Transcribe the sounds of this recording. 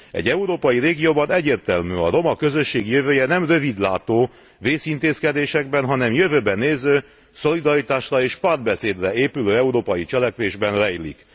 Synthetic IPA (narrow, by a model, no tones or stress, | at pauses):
ɛ̰ɟɛuɾoːpɒjireːɡijoːbɒnɛɟːeːrt̪ɛlmyɒ̰ro̞mɒkø̞zø̞ʃːeːɡijøvøːjɛnɛmrø̞vid̪laːt̪oː | veːsint̪eːskɛd̪eːʃɛɡ̚bɛnɦɒnɛmjøvøːbɛneːzøː | so̞lid̪ɒɾit̪aːʃrɒeːʃpaːrd̪̚bɛseːd̪rɛeːpyløːɛuɾoːpɒjit͡ʃɛlɛkʋeːʒbɛnrɛjlḭk